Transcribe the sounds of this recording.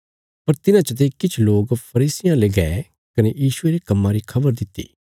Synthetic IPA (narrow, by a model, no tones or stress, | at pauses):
pɐɾt̪ɪnãt͡ʃət̪̬ekɪt͡ʃʰloːɡpʰɐɾiːsɪjãleːɡɛ | kɐnejiːʃʊeɾekɐmːãɾikʰɐbəɾd̪ɪt̪ːḭː